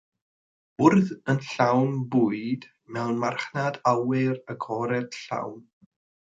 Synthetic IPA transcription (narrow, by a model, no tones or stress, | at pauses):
ʊrðənɬawnbʊɨd̥ | mɛwnmarχnadawɪrəɡʰɔɾɛd̥ɬa̰wn